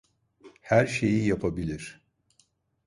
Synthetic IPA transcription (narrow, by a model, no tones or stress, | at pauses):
hæɾʃe̞jijapʰabilʲiɾ̥